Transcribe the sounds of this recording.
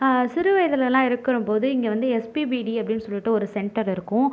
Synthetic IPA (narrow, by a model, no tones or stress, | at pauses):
sɪɾɯʋɐjɐðɐlɐlãːɪɾɯkːɐɾɯmpoːðɯɪŋɡeʋɐnd̪ɯɛspibiɖiɐpːɐɽɪnːɯsɔlːiʈːɯɔɾɯsɛɳʈɐɾɪɾɯkːʊ̃